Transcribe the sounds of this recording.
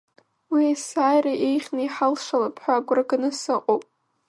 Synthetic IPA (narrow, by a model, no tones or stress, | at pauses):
wiasaːjraʔejχʲnaiħalʂalapʰħʷaːɡʷraɡanɨsɨqʼowpʼ